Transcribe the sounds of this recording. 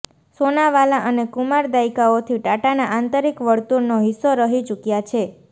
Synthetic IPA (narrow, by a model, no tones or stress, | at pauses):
sonaʋalaʔənekumaɾd̪aikaot̪ʰiʈaʈanaʔant̪əɾikʋəɽt̪uɾnoɦisːoɾəɦit͡ʃukjat͡ʃʰe